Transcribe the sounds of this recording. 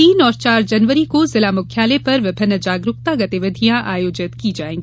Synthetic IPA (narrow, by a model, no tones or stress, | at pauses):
iːnɔːɾt͡ʃaːɾd͡ʒɐnʋəɾikozɪlamʊkʰjaːlepɐɾʋɪbʱɪnːəd͡ʒaːɡɾʊk̚t̪aɡɐt̪iʋɪd̪ʱijãʔaːjoːd͡ʒɪt̪kid͡ʒaːẽːŋɡi